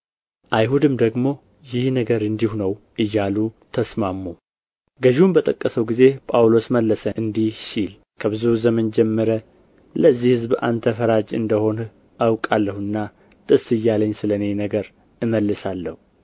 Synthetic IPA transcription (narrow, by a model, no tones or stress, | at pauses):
ʔajhud̪ɨmd̪əɡmo̞ | jɪhnəɡəɾɨnd̪ihunəw | ʔɨjːalut̪ʰəsmamːu | ɡəʒumbət̪ʼəkʼːəsəwɡize̞pʼawlo̞sməlːəsəɨnd̪ihʃil | kʰəβɨzuzəmənd͡ʒɛmːəɾə | ləzːihɨzba̰nt̪ʰəfəɾad͡ʒɨ̰nd̪əho̞n | awkʼalːəhɨnːa | t̪ʼɨsɨjːaləɲːsɨləne̞nəɡəɾ | ɨməlːɨsalːəhu